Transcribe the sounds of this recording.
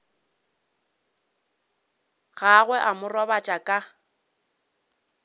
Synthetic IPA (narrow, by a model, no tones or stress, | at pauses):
ɣaɣwɛʔamʊrɔbat͡ʃʼakʼa